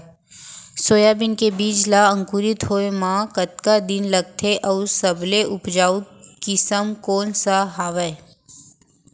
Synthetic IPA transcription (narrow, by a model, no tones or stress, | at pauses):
soːjaːbɪnkebiːd͡ʒlaə̃ŋkuːɾɪt̪ɦoːemãːkət̪kad̪ɪnlɐɡ̚t̪ʰeʔɐusəbleʔʊpd͡ʒaːu | kɪsəmkoːnsaɦaːʋəe